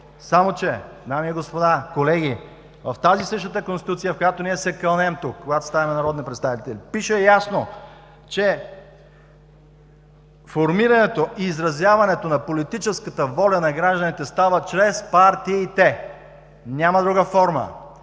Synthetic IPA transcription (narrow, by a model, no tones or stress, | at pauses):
samot͡ʃɛd̪amiiɡospod̪akolɛɡʲi | vɐft̪azisəʃt̪ət̪əkõnst̪it̪ut̪sijəfkojat̪oniɛsɛkɐlˠnɛmt̪ukːoɡat̪o̥st̪avimɛnɐɾɔd̪nipɾɛt̪st̪avit̪ɛlipiʃɛjasno | t͡ʃɛ | foɾmiɾɐnɛt̪oʔiːzɾɐzjavɐnɛt̪onɐpolit̪it͡ʃɛskət̪əvɔlʲɐnɐɡɾaʒd̪ənit̪ɛst̪avət͡ʃɾɛspaɾt̪iɛit̪ɛ | nʲamɐd̪ɾuɡəfɔɾmə̰